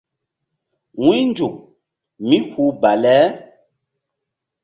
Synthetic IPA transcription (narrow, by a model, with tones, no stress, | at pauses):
ŋwi˦n˦d͡ʒu˨k̚ | mi˦hu˦ba˨lɛː˦